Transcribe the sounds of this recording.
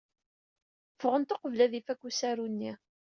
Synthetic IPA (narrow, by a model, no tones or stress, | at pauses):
fʁənt̪oqəvlæðifækʷːusæɾunːi